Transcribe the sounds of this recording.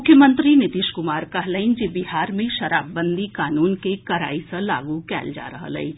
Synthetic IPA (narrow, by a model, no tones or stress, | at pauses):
mʊkʰjəmə̃nt̪ɾinɪt̪iːʃkʊmaːɾkɐɦləɪnd͡ʒebɪɦaːɾmẽʃɐɾaːbːə̃nd̪ʱikaːnuːnkekɐɾa̰ːisɐ̃la̰ːɡukɛ̰ːld͡ʒa̰ːɾɐɦə̰lɐ̰ĩ